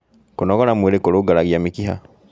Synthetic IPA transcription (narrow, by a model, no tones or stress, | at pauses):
konɔɣɔɾamueɾekoɾoɡaɾaɣiamikiɦa̰